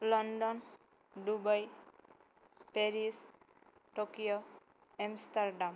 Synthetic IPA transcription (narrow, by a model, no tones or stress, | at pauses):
lɔnɖɔn | ɖubaj | peɾis | ʈokijɔ | emstaɾɖam